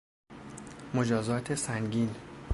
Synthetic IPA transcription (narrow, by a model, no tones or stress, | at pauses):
mod͡ʒɒːzɒːt̪ʰe̞sæŋɟiːn